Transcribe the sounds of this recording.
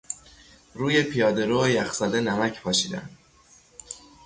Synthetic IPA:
ɾuːjepʰijɒːd̪e̞ɾoejæxsɒd̪enæmæcʰpʰɒːʃiːd̪æ̰nd̪

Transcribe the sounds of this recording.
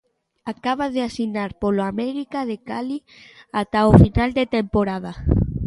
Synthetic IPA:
akaβ̞aðeasinaɾpoloamɛɾikaðekali | at̪aofinald̪et̪empoɾað̞a

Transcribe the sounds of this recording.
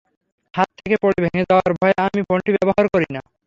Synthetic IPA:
hat̪tʰːekepoɽibʱeŋed͡ʑaoaɾbʱɔeamibɔɳʈibɛboɦaɾkoɾina

